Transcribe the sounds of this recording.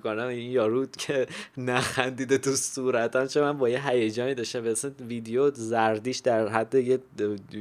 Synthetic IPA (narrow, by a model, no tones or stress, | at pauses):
konæminjɒːɾud̪̥cʰenæxænd̪iːd̪et̪usuːɾæt̪ʰænt͡ʃʰemænbɒːjeɦæjæd͡ʒɒːniːd̪ɒʃt̪æmbesenvid̪ejozæɾd̪iːʃd̪æɾɦæd̪ːeje